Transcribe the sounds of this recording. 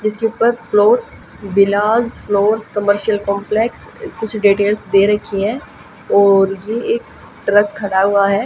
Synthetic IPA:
d͡ʒɪskeuːpəɾploːʈsbɪlaːzfloːɾskɐməɾʃiəlkɔ̃ːmpleːkskʊt͡ʃʰɖiːʈeːlsd̪eːɾɐkʰiɦɛ̃ː | ɔːɾjeːk | ʈɾəkʰːɐɽaɦʊaɦɛː

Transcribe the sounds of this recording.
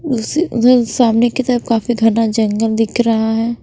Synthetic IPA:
ʊsisaːmnekit̪əɾəfkaːfiɡʱɐnad͡ʒɐ̃ŋɡəld̪ɪkʰɾɐɦaɦɛː

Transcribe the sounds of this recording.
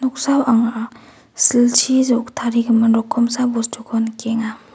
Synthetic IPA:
nɔk̚sawʔaŋa | silt͡ʃʰizɔk̚tʰaɾiɡɯmɯnɾɔkʰːɔmsabɔstʰɔkʰɔnkeŋa

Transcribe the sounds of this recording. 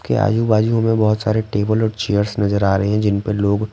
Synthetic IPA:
kḛa̰ːjuːbaːd͡ʒiõmẽbɔɦʊt̪saːɾeʈeːbəlɔːɾt͡ʃejəɾsnɐzəɾaːɾɐɦeɦɛ̃d͡ʒɪnpeloːɡ

